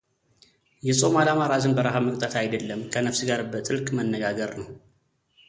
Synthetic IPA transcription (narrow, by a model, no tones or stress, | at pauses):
jɛsʼo̞malamaɾazɨnbəɾaɦaməkʼt̪ʼət̪ʰajd̪əlːəmkʰənəfsɨɡaɾbət̪ʼɨlkʼmənːəɡaɡəɾnəw